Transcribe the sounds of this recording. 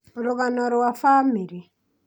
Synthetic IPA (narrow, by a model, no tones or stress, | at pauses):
ɾuɣanɔɾwafamiɾi